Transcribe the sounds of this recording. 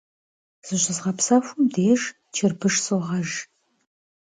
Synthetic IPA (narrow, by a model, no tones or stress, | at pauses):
z̥ɨɕɪzʁɐpsɐfʷʊmdeːʒ | t͡ʃʰɪrbɨʂsoʁɐʒ